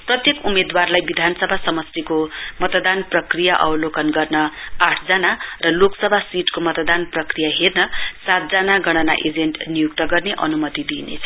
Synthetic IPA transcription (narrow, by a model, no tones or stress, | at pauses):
prʌt̪jekumed̪warlajbid̪ʱanʌsʌbʱasʌmʌst̪ikomʌt̪d̪anprʌkrijaʔʌ̰wlokʌnɡʌrnʌaʈʰd͡zanarʌloksʌbʱasiʈkomʌt̪ʌd̪anprʌkrijaɦernʌsat̪̚d͡zanaɡʌɽ̃ʌna̰ʔed͡zeɳʈnijukt̪ʌɡʌrneʔʌ̰numʌt̪id̪inḛt͡sʰʌ̥